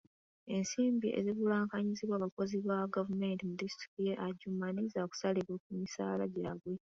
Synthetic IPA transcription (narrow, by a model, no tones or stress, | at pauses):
e̞nsiːmbiʔe̞̰ziβulaːŋkaɲiziβwaːβako̞ziβaɡavume̞ːntimudisti̥kijeʔaɟumanizaku̥saliβwok̚umisa̰ːla̰ɟiɾaɡwe